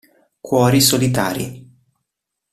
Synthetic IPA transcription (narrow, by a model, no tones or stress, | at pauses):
kwɔːɾisolit̪aːɾḭ